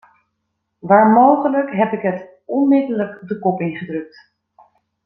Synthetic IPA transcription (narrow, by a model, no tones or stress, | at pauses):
ʋaːɹmowχələkɦɛpɪkɦət | ɔnmɪdələkdəkɔpɪŋχədrɵk̚t